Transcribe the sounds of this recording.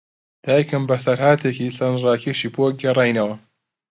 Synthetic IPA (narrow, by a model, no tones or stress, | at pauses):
d̪̥aːjɐkɨmbɐsɐɾhaːt̪ʰekisɐnrɑːkʰeʃiːboɡɐrˤɑːjnɐwɐ